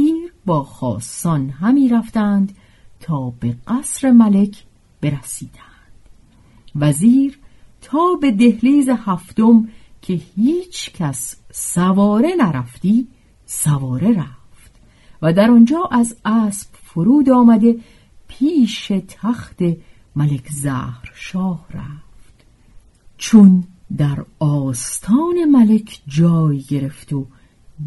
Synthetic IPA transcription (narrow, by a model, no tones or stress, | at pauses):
iːɾbɒːxɒ̰ːsːɒnɦæmiːɾæft̪ænd̪ | t̪ʰɒːbeɢæsɾe̞mæle̞kʰ | b̥e̞ɾæsiːd̪̥ænd̪̥ | væziːɾt̪ʰɒːbe̞d̪e̞hliːzehæft̪omkʰe̞hiːt͡ʃʰcʰæsːævɒːɾe̞næɾæft̪iː | sævɒːɾe̞ɾæft̪ | væd̪æɾɒnd͡ʒɒːʔæzæːsb̥foɾuːd̪ɒːmæd̪e̞ | pʰiːʃe̞t̪ʰæxt̪e̞ | mælekʰzæ̰ːhɾʃɒːhɾæ̰ːft̪ | t͡ʃʰond̪æɾɒːst̪ʰɒːne̞mæle̞kʰd͡ʒɒːjɡe̞ɾe̞ft̪o